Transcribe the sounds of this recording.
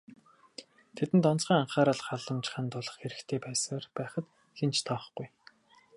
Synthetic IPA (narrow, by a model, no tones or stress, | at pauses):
t̪ʰet̪ɘ̆nt̪ɔnt͡sχiːŋaɴχaːɾəːɮχaɮə̆mt͡ɕɪ̥̆χə̆nt̪ʊɮə̆χxeɾɘ̆xt̪ʰeːpæːsərpæːχə̆t̪ | xent͡ɕt̪ʰɔːχ̆ɡuj